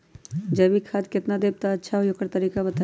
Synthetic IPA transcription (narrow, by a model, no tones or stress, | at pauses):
d͡ʒɐbʱikʰaːd̪kɪt̪nad̪eːb̚t̪aɐtːʃʰaɦojokəɾt̪ɐɾiːkabɐt̪a